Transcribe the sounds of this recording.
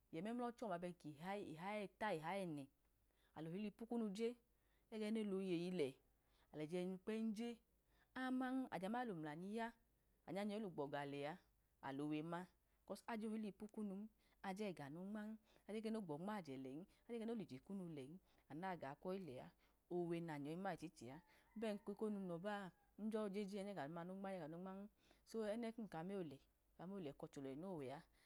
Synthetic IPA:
jɛ˨mɛ˦m˦lɔ˦t͡ʃɔ˦˨m˨a˧bɛ˧˨ki˨ɦa˦i˨ɦa˨˦ɛ˦˧ta˦i˨ɦa˨˦jɛ˦˨nɛ˨ | a̰˨lo˨hi˦li˧pu˦ku˦nu˧d͡ʒe˦ | ɛ˦ɡɛ˧˦ne˦˨lo˨˦je˧˨ji˧lɛ˨ | a˨lɛ˨d͡ʒɛ˧nu˧k͡pɛ˦n̩˦d͡ʒe˦ | a˦ma˦ŋ˦a̰˨d͡ʒɛ˨˦m˦a˦lo˨m˨la˨ni˧ja˦ | a̰˨ɲa˧˦ɲɛ˧˦o˦lu˨ɡ͡bɔ˨ɡa˨lɛ˨a˧˦ | a̰˨lo˨we˧ma˦ | kɔ˧˦sa˧d͡ʒo˦˧hi˦li˧pu˦ku˦nu˧m̩˦ | a˧d͡ʒɛ˦˨ɡa˨no˨˧˦ŋ͡ma˦ŋ˦a˧˨d͡ʒɛ˦k̬ɛ˦no˦˨ɡ͡bɔ˨˦ŋ͡ma˦˨d͡ʒɛ˨lɛ˨i˦a˧˦ɛ˦e˦no˦li˨d͡ʒe˨ku˦nu˧lɛ˨i˦a˨na˦˨ɡa˨˦kʷɔ˦i˦lɛ˨a̰˨˦ | o˧˨we˧na˨ɲɔ˨i˧˦ma˦˨i˨t͡ʃi˨˦t͡ʃi˨a˨˦bɛ˦˨ŋ̩˦ki˧ko˦nu˧nɔ˧ba˦˨ | n̩˦d͡ʒɔ˦˧˦d͡ʒe˦d͡ʒi˦ɛ˧˦nɛ˦˨ɡa˨nu˨˧ma˧no˦ŋ͡ma˦ɛ˦ɡa˨no˧˦ŋ͡ma˦ŋ˦ | so˦ɛ˦nɛ˦ku˦˨ka˨˦me˦o˨lɛ˨ | ka˨˧me˦o˨lɛ˨kɔ˧t͡ʃo˨lɔ˨i˨no˦˨wɛ˨a˧˦

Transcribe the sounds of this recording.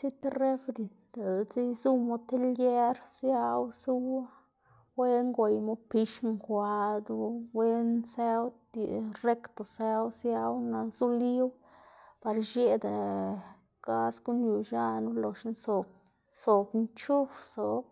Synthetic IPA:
si˦t̪re˦fɾi˨n | d̪e˨lzi˦jzu˦mo˧t̪e˦lje˦ɾsja˦wsu˦w | we˦ŋɡo˨jmo˦pi˧ʃŋkʷa˧d̪u˧we˦nse˦wt̪i˨re˦kt̪o˨se˦wsja˦wna˨zu˦li˦w | pa˨ɾʃe˦d̪a˨ | ɡ̥a˦sɡu˦nju˨ʃa˦nu˦lo˨ʃnso˨k | so˨bnt͡ʃu˦fso˨˦

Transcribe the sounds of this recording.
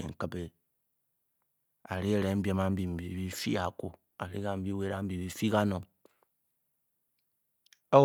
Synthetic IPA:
ḛ˨ŋ̩˨ka˨be˨ | a̰˨ɾi˦˨ɾe˨˦m̩˦bi˦e˨ma˦m̩˦bi˨m̩˨bi˨bi˦fḭ˦a˨ko˨ | a˨ɾi˦ɣa˦m̩˦bi˦we˦ɾa˦m̩˦bi˨βi˦fi˦ɡa˦no˨ | o˦

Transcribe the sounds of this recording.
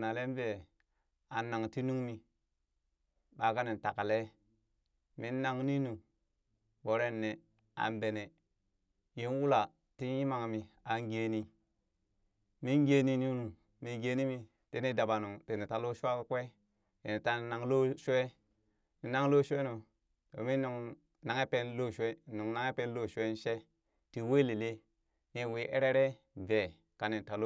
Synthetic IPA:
na˨le˦m˦ve˨ | a˨nːa˨ŋti˦nu˦ŋmi˨ | ɓa˨ka˦ne˨n˨ta˨ka˨le˦ | mi˦nː˦a˦ŋ˦ni˦nu˨ | bo˨ɾe˦˨nːe˨ | a̰˨mbe˨ne˨ | je˦n˦wu˦la˨ | ti˦n˦ji˦ma˨ŋ˨mi˨a˨ŋ˦ɡe˨ni˨ | mi˦ŋ˦ɡe˨ni˨nu˦nu˨ | mi˨ɡe˦ni˦mi˨ | te˦ne˦da˨ba˨nu˨ŋte˨ne˨ta˨˦lo˦ʃu˦a˦kkʷe˦ | tḛ˨ne˨ta˦na˨ŋlo˦ʃu˦e˦ | ni˨na˦ŋ˦lo˦ʃe˦no˨ | to̰˨mi˦nu˨ŋ | na˨ŋe˦pe˦nlo˦˨ʃe˦˨nu˨ŋna˦ŋe˦pe˦n˦lo˦˨ʃu˦e˦n˦ʃe˦ | ti˨we˦li˨le˦ | ɲe˨wi˦ʔe˦ɾe˦ɾe˦ | ve˨ | ka˨ne˨n˨ta˨lo˦

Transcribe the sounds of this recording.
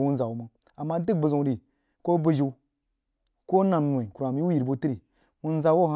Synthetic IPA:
wu˦n˦za˨wu˨mə˨ | a˨mːa˦n˦ti˦k̚bə˨zu˨ŋ˦ɾi˨ | ko˦bə˦ʒi˨u˦ | ko˦na˨mnʷ˨o˨i˨ku˨ɾa˨mji˦u˦ji˨ɾbu˦ti˦ɾi˨ | wu˦n˦za˨wo˦˨ɦa˦

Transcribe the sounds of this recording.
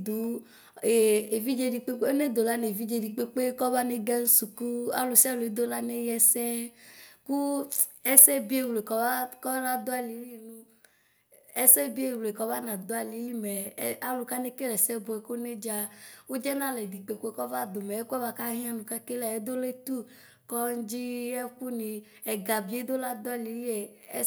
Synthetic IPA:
d̪u˨˦ | e˨e˨vi˦d͡ʒe˦di˨k͡pe˦o˦ne˦d̪o˨la˦ne˨vi˦d͡ʒe˦di˨k͡pe˦k͡pe˦kɔ˦va˦ne˦ɡɛ˦n̩˦su˨ku˦a̰˦lo˨si˦a˦lo˨e˨˦d̪o˦la˦ne˦jɛ˦sɛ˦ku˦ɛ˦sɛ˦bi˦e˦˨wle˨kɔ˨va˦kɔ˦la˦d̪o˦a˨li˨˦li˦nũ˦ | ɛ˦sɛ˦bi˦e˨wle˨kɔ˦va˦nã˨d̪o˦a˨li˨˦ji˦mɛ˨˦a˦lo˨ka˦ne˦ke˦lɛ˨sɛ˦bo˨ɛ˨ko˦ne˦d͡ʒa˦wo˦d͡ʒɛ˦nã˦lɛ˨di˨ɡ͡be˨ko˦e˦kɔ˦va˦d̪o˨mɛ˨e˦kɛ˦va˦ka˦ɦĩ˦ã˦nũ˨ka˦ke˦lɛ˨e˦d̪o˦le˦t̪u˦ | kɔ˦d͡ʒi˦ɛ˦ɸu˦nĩ˨ | ɛ˨ɡa˨bi˨˦e˦d̪o˦la˦d̪o˦a˦˨li˨ji˦ɛ˨˦

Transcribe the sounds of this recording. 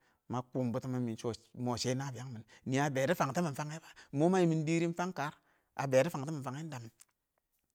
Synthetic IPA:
ma˦ku˦m˨bu˦ti˦ma˦mi˨nt͡ʃo˦mo˨ʃe˦na˦˨bi˨a˦ŋmi˨nni˨a˨be˨ɾi˦fa˨ŋta˦mi˨˦fa˦ŋe˦ba˦˨mo˦ma˦i˨mi˨n˦di˦ɾi˦n̩˦fa˦ŋka˨˦ɾ | a̰˨be˨ɾi˦fa˨ŋta˦mi˨fa˨ŋe˦n˦da˨m˨

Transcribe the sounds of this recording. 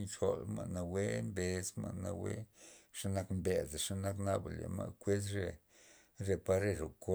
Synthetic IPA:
nt͡ʃo˨lma̰˨na˧we˦mbe˨sma̰˨na̰˧wḛ˦ʂa˦na˦kmbe˨zʂa˦na˦kna˦ba̰˨lḛ˨ma̰˧˨kʷe˦s̬ɾe˧ | ɾe˧pa˦ɾe˧ɾo˨ko˦

